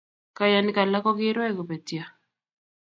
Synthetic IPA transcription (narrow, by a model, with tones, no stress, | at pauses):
ka˨ja˨nɪ˦ka˨la˦kɔ˦ɡɪ˦ɾwɛ˦˨ko˨pe˨tja˨